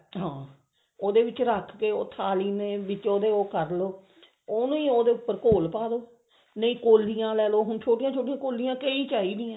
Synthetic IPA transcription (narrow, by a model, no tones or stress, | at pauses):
ɦãː | oːd̪eːʋɪt͡ʃɾəkʰkeːoːt̪ʰaːliːneːʋɪt͡ʃoːd̪eːoːkəɾloː | oːnũːiːoːd̪eːʊpːəɾkoːlpaːd̪oː | nəĩːkoːlːijãːlɛːloːɦʊnt͡ʃʰoːʈijãːt͡ʃʰoːʈijãːkoːlijãːkəiːt͡ʃaːiːd̪ijãː